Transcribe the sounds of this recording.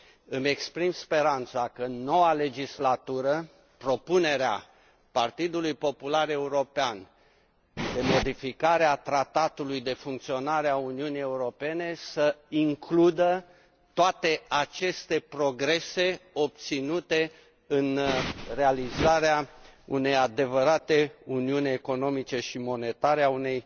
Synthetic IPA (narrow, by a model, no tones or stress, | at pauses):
ɨme̞kspɾimspe̞ɾant̪sakəno̞wale̞d͡ʒislat̪uɾə | pɾo̞pune̞ɾea̰ | part̪id̪ulujpo̞pulaɾe̞uɾo̞pean | d̪e̞mo̞d̪ifikaɾeat̪ɾat̪at̪ulujd̪e̞fuŋk̚t̪sio̞naɾeauniunije̞uɾo̞pe̞ne̞səiŋklud̪ə | t̪oat̪e̞at͡ʃe̞st̪e̞pɾo̞ɡɾe̞se̞o̞p̚t̪sinut̪e̞ | ɨnre̞alizaɾeaṵne̞jad̪e̞vəɾat̪e̞uniunʲeko̞no̞mit͡ʃe̞ʃimo̞ne̞t̪aɾeaune̞j